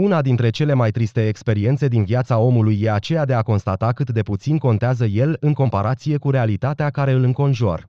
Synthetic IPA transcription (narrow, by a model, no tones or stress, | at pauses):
unad̪int̪ɾe̞t͡ʃe̞le̞majt̪ɾist̪e̞ːkspe̞ɾie̞nt̪se̞d̪inviat̪sao̞mulujːe̞at͡ʃe̞jad̪eako̞nst̪at̪akɨt̪d̪e̞put̪sinko̞nt̪eazəje̞lɨŋko̞mpaɾat̪sije̞kuɾe̞alit̪at̪eakaɾe̞ɨlɨŋko̞nʒua̰r